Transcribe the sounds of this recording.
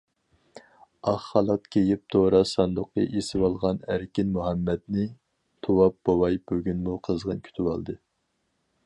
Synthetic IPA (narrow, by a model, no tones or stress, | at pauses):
ɑχːɑlˠɑt̪kʲʰejip̚t̪ʰoɾɑsɑnd̪ʊqʰə̰ʔesɪwɑlˠʁɑnæɾkʲinmuɦɛmːɛd̪nɪ | t̪ʰowɑp̚bowɑjbøɡʲynmuqʰəzʁənkʲʰy̥t̪ʰywɑlˠd̪ɨ